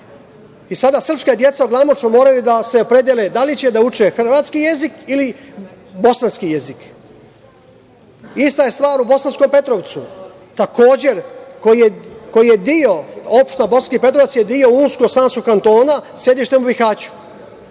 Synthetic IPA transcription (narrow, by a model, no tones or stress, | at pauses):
isad̪asr̩pskad̪je̞t̪saoɡlˠamot͡ʃumo̞ːɾajud̪aseopɾed̪jeled̪alit͡ɕed̪aut͡ʃexr̩ʋaːt̪skije̞zikili | bo̞sanskijezik | ist̪ajest̪ʋaːɾubo̞sansko̞mpe̞t̪ɾo̞ʋt̪su | t̪ako̞ːd͡ʑe̞ɾkoieko̞jije̞d̪io̞opʃt̪nabo̞sanskipe̞t̪ɾoʋat̪sjed̪io̞uːnskoɡsaːnskoɡkːant̪o̞ːnasje̞d̪iʃt̪emubixaːt͡ɕu̥